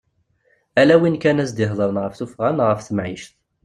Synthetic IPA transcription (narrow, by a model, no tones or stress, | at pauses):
ælæwinkænæsd̪ɪɦðˤəɾənʁəfθufʁanʁəfθəmʕiʃθ